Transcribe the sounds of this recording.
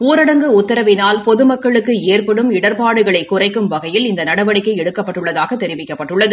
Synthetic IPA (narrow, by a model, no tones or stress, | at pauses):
uːɾɐɽɐŋɡɯʊt̪ːɐɾɐʋɪnaːlpɔðɯmɐkːɐɭɯkːɯeːrpɐɽɯmɪɽɐɾpaːɽɯɣɐɭɐɪkːʊrɐɪkːɯmʋɐɣɐjɪlɪnd̪ɐnɐɽɐʋɐɽɪkːɐɪɛɽɯkːɐpːɐʈːɯɭːɐðaːɣɐt̪ːɛɾɪʋɪkːɐpːɐʈːɯɭːɐðɯ